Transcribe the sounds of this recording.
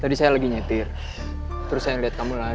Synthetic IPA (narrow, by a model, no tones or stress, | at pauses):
t̪adisajalaɡiɲat̪ɪr | t̪əɾʊsːajaŋliat̪̚kamula